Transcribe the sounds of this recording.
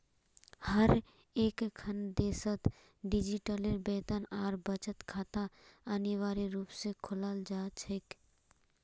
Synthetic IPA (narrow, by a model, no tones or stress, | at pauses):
həɾ | eːkkʰənd̪eːsət̪ | ɖɪd͡ʒiʈəleɾbeːt̪ənaːɾbət͡ʃət̪kʰaːt̪aəniʋaːɾiɾuːpsekʰʊlaːld͡ʒaːt͡ʃʰek